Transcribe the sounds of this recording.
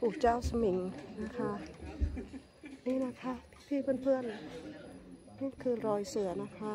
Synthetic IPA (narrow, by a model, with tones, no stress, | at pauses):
puː˨˩k̚t͡ɕaː˥˩wsa˧mi˩˦ŋna˦˥˩kʰa˦˥ | niː˥˩na˦˥kʰa˦˥˩p̪ʰiː˥˩pʰɯ˥˩ə˨npʰɯ˥˩ən | niː˥˩kʰɯː˧ɾɔː˧jsɯ˨˩˦ɐna˦˥˩kʰa˦˥